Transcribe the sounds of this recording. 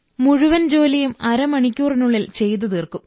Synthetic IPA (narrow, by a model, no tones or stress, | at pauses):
muɻuʋɐnd͡ʑo̞ːlijumɐɾɐmɐɳikʲːuːrinuɭːilt͡ɕe̞jt̪̬ːɨt̪iːrkum